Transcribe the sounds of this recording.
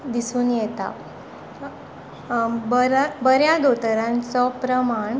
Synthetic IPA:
d̪isuːnjɛt̪a̰ | bɾbəɾjad̪ot̪əɾãnt͡sɔpɾəmaɳ

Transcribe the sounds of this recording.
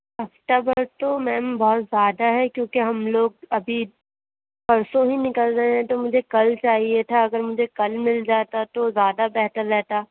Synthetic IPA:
ɐfʈ̪abɐɾt̪omɛ̃ːmbɔɦːt̪zjaːd̪aɦɛkjõːkeɦɐmloːɡ̚ɐbʱi | pɐɾsõɦinɪkəlɾɐɦẽɦɛ̃t̪omʊd͡ʒʱekɐlt͡ʃaːɦiet̪ʰaɐɡəɾmʊd͡ʒʱekɐlmɪld͡ʒaːt̪at̪ozjaːd̪abɛɦt̪əɾːɛɦt̪aː

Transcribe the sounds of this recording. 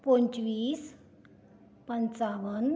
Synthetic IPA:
poɲt͡ɕʋiːs | pənt͡saʋən

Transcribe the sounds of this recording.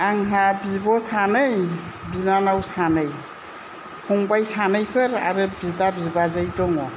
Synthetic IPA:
aŋɦabibɔsanɯjbinanawsanɯj | kʰɔŋbajsanɯjpʰɯɾa̰ɾɯbizdabizbazɯjdɔŋɔ

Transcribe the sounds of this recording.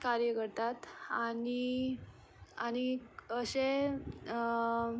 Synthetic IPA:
kaɾjəkəɾt̪at̪ani | añiəɕe

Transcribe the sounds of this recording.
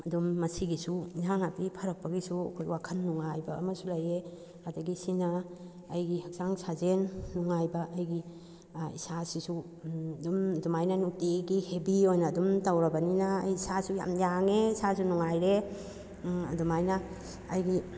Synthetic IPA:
ɐdumːɐsiɡisuzaŋapipʰɐɾɐk̚pɐɡisuɐ̰kʰojwakʰɐnːuŋajbɐ̰ːmɐsulɐje | adɐɡisinɐː | jɡihɐk̚zaŋsʰazenːuŋajbɐʔɐjɡi | isasisu | dumdumajnanuk̚tiɡihebiojnɐːdumtawɾɐbɐninɐːjisasuja̰mjaŋeisasunuŋajɾe | ɐ̰dumajnɐː | jɡi

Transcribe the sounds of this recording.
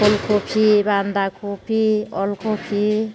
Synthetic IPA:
olkʰopʰiband̪akopʰiɔlkʰopʰi

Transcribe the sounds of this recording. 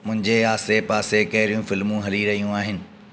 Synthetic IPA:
mʊ̃ɦɪ̃ɲd͡ʑeaːsepaːsekɐɦɪɾijũfɪlmũɦɐliɾɐɦijũaːɦɪnɪ̆

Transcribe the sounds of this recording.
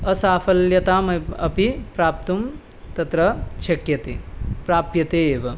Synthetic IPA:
ɐsaːfɐljɐt̪aːmɐɐ̰pipɾaːp̚t̪um | t̪ɐt̪ɾɐʃɐkjɐt̪ḛːpɾaːpjɐt̪eːʋɐ

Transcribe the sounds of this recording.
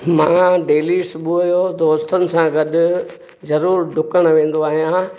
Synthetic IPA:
mãːɖeːlisbuɐjod̪oːst̪ʰənɪ̆sãɡɐɗʊ̆ | zɐɾuːɾɖʱʊkəɽ̃ʋẽːn̆d̪oaːɦijã

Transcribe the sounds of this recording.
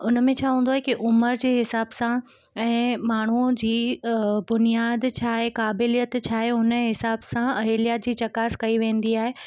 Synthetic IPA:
ʊnə̆mẽt͡ɕʰaːɦũːn̆d̪oaːɦekiʔʊməɾd͡ʑeːɦɪsaːbsã | ɛ̃ːmaːɳ̤ud͡ʑiːbʊnijaːd̪t͡ɕʰaːɦekaːbɪlijət̪t͡ɕʰaːɦeʊnəɦɪsaːbsãɐɦeːlijaːt̪̚d͡ʑiːt͡ɕɐkaːskɐiʋẽːnd̪iaːɦe

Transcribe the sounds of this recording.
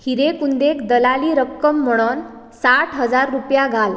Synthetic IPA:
hiɾekund̪ekd̪əlaliːɾəkːəmːəɽ̃on | saʈʰɦəd͡zaɾːupjaɡʱal

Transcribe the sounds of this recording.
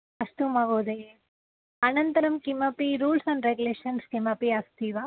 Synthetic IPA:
ɐst̪umaɡoːd̪e | ɐnɐnt̪ɐɾɐmkimɐpiɾuːlsɐ̃ɳnɖɾeɡuleːʂɐnskimɐpiɐst̪iːʋa

